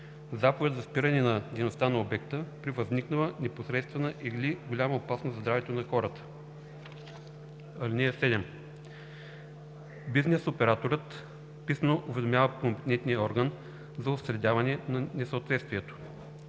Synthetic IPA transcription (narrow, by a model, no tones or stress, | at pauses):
zapovɛt̪zɐspiɾənɛnɐd̪ɛjnost̪anɐobɛk̚t̪əpɾivəzniknəlˠənɛposɾɛt̪st̪vɛnəʔiɡliɡolʲaməopasnosɐzd̪ɾavɛt̪onɐxɔɾət̪ə̥ | ɐlinɛɛsɛd̪ɛm | biznɛsopɛɾat̪oɾət̪ | pisənoʔʊvɛd̪omjavəkompɛ̥t̪ɛnt̪nijəɔɾɡən | zɐʊst̪ɾɛd̪ʲavɐnɛnɐnɛsəot̪vɛt̪st̪viɛt̪o̥